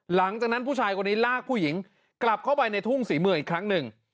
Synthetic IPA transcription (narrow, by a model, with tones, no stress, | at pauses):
la˩˦ŋt͡ɕa˨˩k̚na˦˥npʰuː˥˩t͡ɕʰaː˧jkʰa˧nːiː˦˥laː˥˩k̚pʰuː˥˩ji˩˦ŋ | kla˨˩p̚kʰa˥˩wpa˧jna˧jt̪ʰu˥˩ŋsiː˩˦mɯ˧˩əŋi˨˩kʰːɾa˦˥ŋnɯ˨˩ŋ